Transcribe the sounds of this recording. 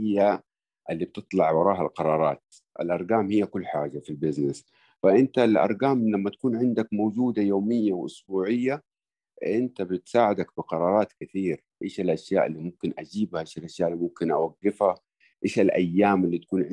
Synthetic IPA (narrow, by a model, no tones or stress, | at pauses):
ɪjːa | ʔalːib̚t̪ɨt̪ˤlɑʕwɑɾˤɑːɦa̰lqɑɾˤɑːɾˤɑːt̪ | ʔa̰lʔɑɾˤɡaːmhijːakʊlːħaːd͡ʒafilbɪznɪs | faʔɪnt̪alʔɑ̰ɾˤɡaːmlamːat̪ḁkuːnʕɪnd̪akmowd͡ʒuːd̪ajoːmɪjːawʔʊ̰sbuːʕɪjːa | ʔʔɪnt̪abɪt̪saːʕɪd̪akbɪqɑɾˤɑːɾˤɑːt̪kɪθiːɾ | ʔeːʃalʔaʃja̰ːʔɪ̰lːimʊmkɪnʔad͡ʒiːbhaʔeːʃalʔaʃjaːʔlːimʊmkɪnʔawaɡːɪfha | ʔeːʃalʔajːaːmalːit̪ḁkuːnʕɪ